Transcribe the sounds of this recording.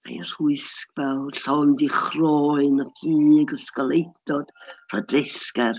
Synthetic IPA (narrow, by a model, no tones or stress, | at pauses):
a̰jər̥uɨskvɛlˠɬɔndiχrɔːɨnakʰiːɡəskɔlˠejdɔd̥r̥ɔdrɪskar